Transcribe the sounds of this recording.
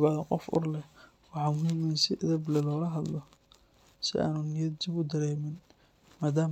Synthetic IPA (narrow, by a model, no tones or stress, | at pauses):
βaːðɐqɔ̰fʊ̰rlɛ | wɑħɑːmʊhiːmɐnsɪʔɐðɐblɛlɔːlɐɦɐd̪lɔ | sɪʔa̰ːnʊnɪjɐd̪d͡ʒɪbʊd̪ɐɾɛːmɪn | maːd̪aː